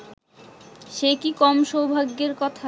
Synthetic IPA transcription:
ʃekikɔmʃowbʱaɡːeɾkɔt̪ʰa

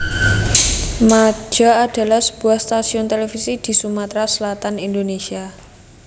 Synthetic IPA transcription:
mḁd͡ʒ̥a̤ad̥a̤lahsə̥b̥uahst̪asiʊnt̪elefisid̪̥i̤sumat̪ɾasəlat̪anind̪onesia

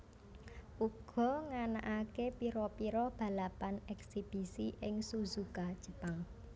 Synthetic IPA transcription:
ʔuɡ̥ɔ̤ŋana̰ʔakepiɾɔpiɾɔb̥ä̤lapanɛksib̥i̤siʔɪŋsuzukad̥ʒ̥ə̤paŋ

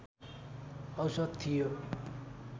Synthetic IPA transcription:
ʌwsʌd̪̚t̪ʰijo

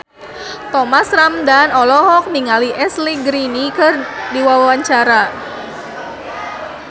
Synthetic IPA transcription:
t̪ɔmasɾamdanɔlɔɦɔk̚niŋaliʔɛsliɡɾinikɨrdiwawaɲt͡ʃaɾa

